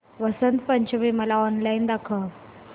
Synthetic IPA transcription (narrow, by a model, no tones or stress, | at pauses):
ʋəsənt̪pəɲt͡ɕəʋeməlaɔnlaind̪akʰə